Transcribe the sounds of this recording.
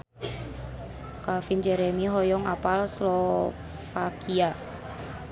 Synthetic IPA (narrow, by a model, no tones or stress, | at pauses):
kafind͡ʒɛɾemiɦɔjɔŋapalslɔ | fakia